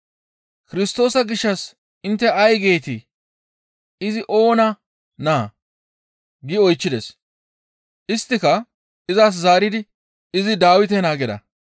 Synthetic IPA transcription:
kɪɾɪst̪o̞ːsɐɡɪʃːɐs | ɪnt̪ːɛɐjɡe̞ːt̪i | ɪzɪʔo̞ːnɐ | naː | ɡɪɔjt͡ʃːɪd̪ɛs | ʔɪst̪ːɪkɐ | ɪzas̬zaːɾɪd̪ɪ | ɪzɪd̪aːwɪt̪̬ɛnaːɡɛd̪ɐ̰

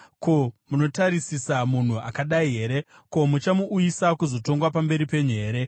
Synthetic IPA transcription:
kʰomunotaɾisisamun̤ua̰kaɗaiɦe̞ɾe̞ | ko̞mut͡ʃamuʔːjisakuzo̞to̞ŋɡwapambe̞ɾipe̞ɲe̞ːɾe̞

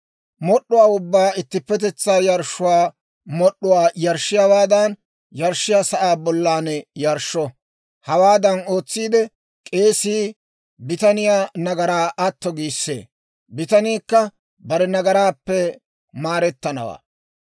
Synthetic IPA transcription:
mɔɗːʊwaːʊbːaːɪt̪ːɪpːɛt̪̬ɛt͡sːaːjɐɾʃʊwaː | mɔɗːʊwaːjɐɾʃːɪjawaːd̪ɐn | jɐɾʃːɪjaːsɐʔaːbɔlːaːnɛjɐɾʃːɔ | hɐwaːd̪ɐno̞ːt͡sːiːd̪ɛ | kʼe̞ːsiː | bɪt̪ɐnɪjaːnɐɡɐɾaːʔɐt̪ːɔɡiːsːḛː | bɪt̪ɐniːkːɐ | bɐɾɛnɐɡɐɾaːpːɛ | maːɾɛt̪ːɐnɐ̰wa̰ː

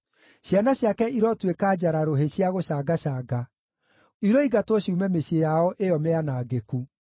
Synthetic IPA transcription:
ɕjanaɕjakɛiɾɔtwekad͡ʑaɾaɾoɦeɕiaɣoɕaːɡaɕaːɡa | iɾɔiɣatwɔɕiumɛmeɕejaɔʔeɔmeanaːɡeku

